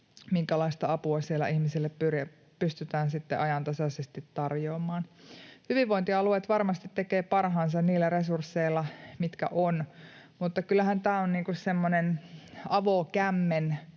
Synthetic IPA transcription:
miŋkælɑist̪ɑɑpuɑsielæ̰ʔihmisilːeppyrjæ | pyst̪yt̪æːnsit̪ːeʔɑjɑnt̪ɑsɑsest̪it̪tɑrjoːmˑɑːnhyʋiʋʋoint̪iɑluet̪ʋɑrmɑst̪it̪tekeːpɑrɦɑːnsɑnniːlːæresursːeilːˑɑmit̪kæ̰ʔon | mut̪ːɑkylːˑæhænt̪æːonniːŋkussemːonenɑʋokæmːen

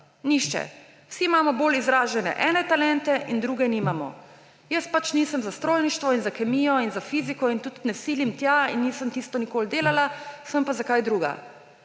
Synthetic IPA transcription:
niʃt͡ʃɛ̰ | wsiːmaːmɔboːlizɾaːʒɛnɛ̰ʔɛːnɛt̪alɛnt̪ɛʔind̪ɾuːɡɛniːmamɔ̰ | jəspat͡ʃniːsəmzast̪ɾoːlniʃt̪ʋɔinzakɛmijɔinzafizikɔint̪ut̪nɛsilimt̪jainːiːsəmt̪iːst̪ɔnikoːld̪eːlalasəmpazakajd̪ɾuɡa̰

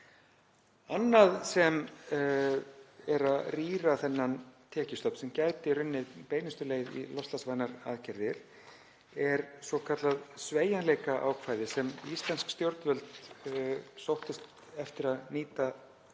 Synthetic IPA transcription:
anːaðsɛm | ɛɾaðriːɾaθɛnːant̪ʰɛːcɪst̪ɔpnsɛmcajt̪ɪrʏnːɪðpeːjnɪst̪ʏleːjðḭlɔst̪lasvajnaɾa̰ðcɛɾðɪɾ̥ | ɛɾsɔkʰat̪laðsveːjanleːjkaʔa̰ːwkʰvaːjðɪsɛmist̪lanskst̪jowɾt̪vœlt̪ | sowht̪ɪst̪ | ɛft̪ɪɾaðniːt̪a

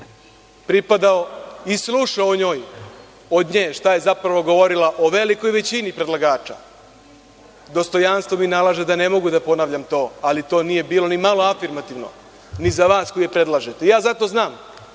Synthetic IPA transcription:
pɾipad̪aoislˠuːʃaoɲoːj | od̪ɲeːʃt̪aje̞zapɾaʋo̞ɡo̞ʋo̞ɾilaʔo̞ʋe̞liko̞jʋe̞t͡ɕinipɾe̞d̪lˠaɡaːt͡ʃa̰ | d̪o̞st̪o̞janst̪vʋo̞minalˠaːʒed̪ane̞mo̞ɡud̪apo̞naːʋʎamt̪o̞ːalit̪o̞ːnije̞biːlo̞nimalˠoafiɾmat̪iʋno̞̰ | nizaʋaːskojepɾe̞d̪lˠaːʒet̪e̞ijaːzat̪o̞znaːm

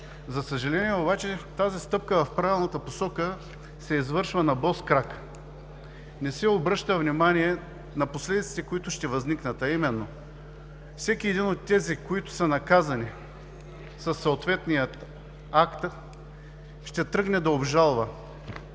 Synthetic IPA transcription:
zɐsəʒɐlɛniɛobat͡ʃɛt̪azist̪ɤp̚kəvɐfpɾavʲilˠnɐt̪əposɔkə | sɛizvɤɾʃvənɐbɔskɾak | nɛsɛobɾɤʃt̪əvnimaniɛ | nɐposlɛd̪it̪si̥t̪ɛkoit̪ʊʃt̪ɛvɐzniknət̪ɐimɛnːo | fsɛkiɛd̪inot̪ːɛzikoit̪ʊ̥sɐnɐkazɐni | sɐsːoːt̪vɛt̪nijət̪ | akt̪ | ʃt̪ɛt̪ɾɤɡnɛd̪ɐobʒalˠvə

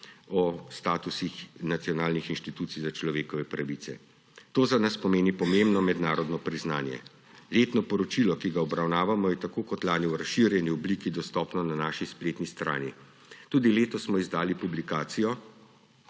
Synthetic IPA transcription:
ɔst̪aːt̪usixnat̪sijɔnaːlnixinʃt̪it̪uːt̪sijzat͡ʃlɔʋeːkɔʋɛpɾaʋit̪sɛ̰ | t̪oːzanaspɔmeːnipɔmembnɔmɛd̪naːɾɔd̪nɔpɾiznaːnjɛ̰ | leːt̪nɔpɔɾɔt͡ʃilɔkiɡaɔbɾawnaːʋamɔjɛt̪akoːkɔt̪laːniwɾasʃːiɾjɛniɔblikid̪ɔst̪ɔːpnɔnanaːʃispleːt̪nist̪ɾa̰ːnḭ | t̪uːd̪ileːt̪ɔsmɔizd̪aːlipublikaːt̪sijɔ

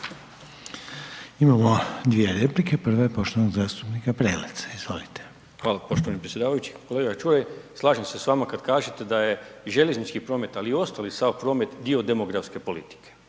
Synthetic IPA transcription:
imamod̪ʋijeɾe̞plikepr̩ʋajepo̞ʃt̪oʋnoɡzaːst̪upnikapɾeːlḛt̪sḁizʋo̞̰lit̪e̥ | xʋaːlapo̞ʃt̪oʋanipɾesʲjed̪aːʋajut͡ɕi̥ko̞leɡaat͡ʃuːjejslˠaːʒemse̞sʋaːmakad̪kaːʒet̪e̞d̪aje̞ʒe̞leznit͡ʃkipɾo̞ːme̞t̪aliːo̞st̪alisawpɾo̞ːmet̪d̪iod̪e̞mo̞ɡɾafske̞po̞lḭt̪i̥kʰe̥

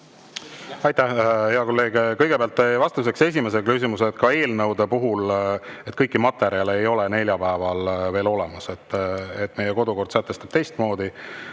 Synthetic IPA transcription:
ɑjt̪æhheɑko̞lːeːɡ̥ekɤjɡ̥e̞peɑlt̪ːevɑst̪ɑmis̬e̞kse̞s̬ʲime̞s̬eɡɑ̥kys̬ʲimuset̪kɑe̞ːlnɤwd̪e̞puɦulet̪̚ːˑkɤjkːˑimɑt̪ːe̞ɾjɑle̞jo̞lene̞lʲjɑpæevɑlve̞ːlo̞le̞mɑse̞t̪ːˑet̪ːˑme̞jeko̞d̪uko̞rd̪̥sæt̪ːˑe̞st̪ɑb̥t̪e̞jst̪mo̞ːd̪i

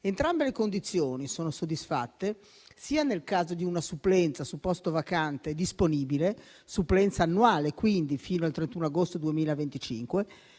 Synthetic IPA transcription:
ent̪ɾambelekond̪it̪sːjoːnisoːnosod̪ːisfa̰t̪ːe | siːanelkaːzod̪iunasuplɛnt̪sasupːɔst̪ovakant̪ed̪isponiːbile | suplɛnt̪saːnːuaːlekwind̪ifiːnoalt̪ɾent̪uːnoaɡost̪od̪uemiːlavent̪it͡ʃḭŋkwe

